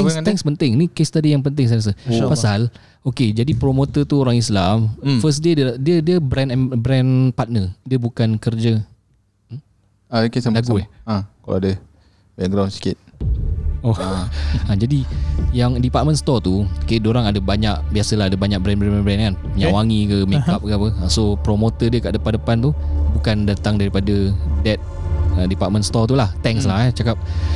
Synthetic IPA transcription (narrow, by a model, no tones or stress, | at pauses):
t̪ɛŋt̪ɛŋspənt̪ɪŋnikest̪adijaŋpənt̪̬ɪŋs̬ajɾas̬əpasal | oked͡ʒadipɾomot̪ət̪uoɾaŋislamfəsdedədiədiəbɾɛnɛnbɾɛnpat̪̚nədiəbukankərd͡ʒə | akesalaɡuãkala̰adə | bɛk̚ɡɾawnsi̥kɪt̪̚ | oaad͡ʒadijaŋdipat̪̚mə̃nst̪ɔt̪ukadoɾaŋadəbaɲaʔbiasəlaɦadəbaɲak̚bɾɛnbɾɛnbɛnbɾɛnkanpuɲawaŋikəmɛ̃kap̚kəapəasopɾomot̪ədiəkaʔdəpaʔdəpant̪ubukandat̪aŋdaɾipadədɛt̪̚ | ədipat̪̚mə̃ntst̪ɔt̪ulaht̪ɛŋslaɦɛt͡ʃakap̚